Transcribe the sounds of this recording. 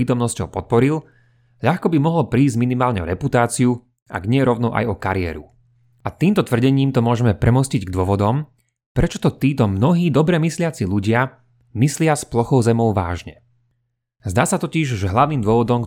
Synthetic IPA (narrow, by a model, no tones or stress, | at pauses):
iːt̪ɔmnɔscɔʊpɔt̪̚pɔɾil | ʎaxkɔbimɔɦɔlpɾiːzɟminimaːlɲɛɔ̰ɾɛput̪aːt͡siu | ʔa̰ɡɲɪɛɾɔʊnɔʔa̰jɔkaɾɪɛ̰ːɾu | ʔat̪iːmt̪ɔt̪ʋr̩ɟɛɲiːmt̪ɔmʊɔʒɛmɛpɾʔɛmɔsciɟɡd̪ʊɔʋɔd̪ɔm | pɾɛt͡ʃɔt̪ɔt̪iːt̪ɔmnɔɦiːd̪ɔbɾɛmislɪat͡siʎuɟɪa | mislɪasplɔxɔʊzɛmɔʊʋa̰ːʒɲɛ | zd̪aːsat̪ɔciʒʒɛɦlaʊniːmd̪ʊɔʋɔd̪ɔm